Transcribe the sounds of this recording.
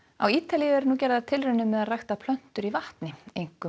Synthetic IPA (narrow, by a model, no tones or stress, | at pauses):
awiːt̪alijɪɛɾnuːcɛːɾɪðat̪ʰɪlrʏnʏmːɛðarajxt̪apʰlœn̥t̪ʏɾivaht̪nɪejŋ̥kʏ